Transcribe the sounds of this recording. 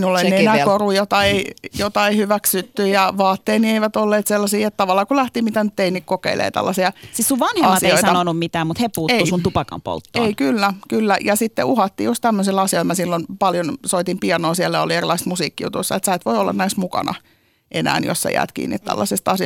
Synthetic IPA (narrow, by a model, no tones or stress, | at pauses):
minulːonenæːkorujot̪ɑeijot̪ɑeihyʋæksyt̪ːyjɑʋɑːt̪ːeːnieiʋæt̪olːeːt̪selːɑsiːet̪t̪ɑʋɑlːˑɑːkulæht̪imit̪ænyt̪ːeinːikkokḛilʔḛːt̪æ̰lːɑsiɑsissuʋʋɑnheɑmɑsieooisɑɑnonummit̪æːmut̪hepuːteusunt̪upɑkɑ̰mpo̰lt̪ːoeikylːækylːæjɑsit̪ːḛʔuhɑt̪ːḭːjust̪æmːøselɑsioilmæsilːonpɑljonsoit̪impiɑnoːsielːæo̰lierilˑɑist̪musiːkːijṵt̪usːɑet̪sæit̪ʋoiolːʔɑ̰næismukɑ̰nɑ̰ | ʔenæ̰ːnjo̰ssæ̰jæ̰ːt̪kḭːnːḭt̪t̪æ̰lːɑsest̪ɑsi